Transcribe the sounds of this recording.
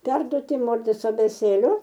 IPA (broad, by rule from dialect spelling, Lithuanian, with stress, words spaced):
ˈpʲɛrduɔtʲɪ ˈmoːrʲzʲeːs ɐbʲeːˈt͡sʲeːlʲɛ